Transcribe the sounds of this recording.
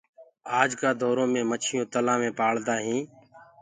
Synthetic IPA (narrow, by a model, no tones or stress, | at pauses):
aːd͡ʒkaːd̪ʱoːɾõːmẽːmət͡ʃʰɪjõːt̪əlãːmẽːpaːɭd̪aːɦĩː